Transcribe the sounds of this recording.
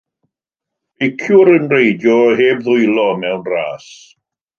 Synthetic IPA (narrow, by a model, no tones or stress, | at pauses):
ɪkʰjʊɾənrejdjɔɦeːbðʊjlˠɔmɛwnraːs